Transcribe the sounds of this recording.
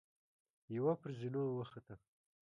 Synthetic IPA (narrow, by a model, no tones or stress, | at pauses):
jawapəɾzinowəxat̪a